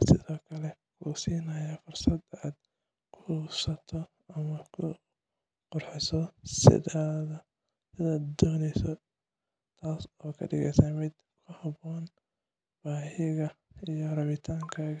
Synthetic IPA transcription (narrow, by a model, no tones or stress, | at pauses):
sɪðɔːkʰɐlɛkʰuːsiːnɐjafʊrsɐd̪aːd̪̚ | kʰʊsɐt̪ʰɔ | ɐmɐkʰʊ | qʊrħɪsɔsɪ̰aːðɐ | sɪðaːd̪d̪ɔːnɛjsɔ | t̪ʰaːsɔːkʰɐ̰ɖɪ̰ɣɛ̰jsaːmɪd̪ | kʰʊhɑbɔːn | b̥aːɦɪɣɐijɔɾɐβɪt̪ʰaːŋkʰaːɣɐ